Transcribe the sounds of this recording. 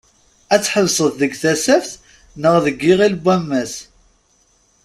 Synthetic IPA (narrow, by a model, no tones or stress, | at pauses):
æt͡sːħəlsˤəððəɡθæsæfθ | nəʁðəɡːiʁilbːæmːæs